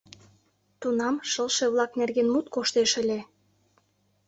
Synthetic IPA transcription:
t̪unɑmʃə̆lˠʃeβlɑknerɣenmut̪koʃt̪eʃə̆lʲe

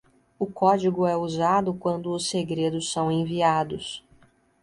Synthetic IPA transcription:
ʊkɔd͡ʒiɡʊɛuzad̪ʊkwɐ̃nd̪ʊːsːeɡɾed̪ʊsːɐ̃w̃ẽviad̪ʊs

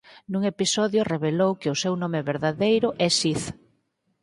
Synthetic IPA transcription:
nuŋepisɔðjʊreβelowkɪʊsewnɔmɪβeɾðaðejɾʊʔɛsiθ

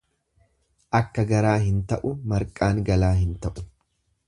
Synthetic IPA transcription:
ʔɐkːɐɡɐɾaːɦɪnt̪ɐʔʊmɐɾkʼaːŋɡɐlaːhɪnt̪ɐʔʊ̥

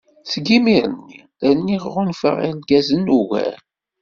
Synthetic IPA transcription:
θɡimiɾənːi | əɾnːiʁʁʊnfə̰ʁḭlɡæzənːuɣæ̰ɾ

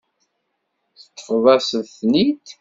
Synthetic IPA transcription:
θə̥t̪ːəfvæsəðθnit̪

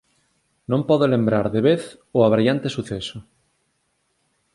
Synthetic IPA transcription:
nõmpɔðolẽmbɾaɾðeβ̞eθ | oaβɾiʎant̪esuθeso

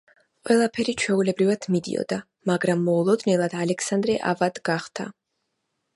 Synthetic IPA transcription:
qʼwɛlˠapʰɛɾit͡ʃʰwɛulɛbɾivad̪̥mid̪ḭɔ̰d̪a | maɡɾamːɔulˠɔd̪nɛlˠad̪̥alɛksand̪ɾɛʔa̰vad̪ɡaχt̪ʰa̰

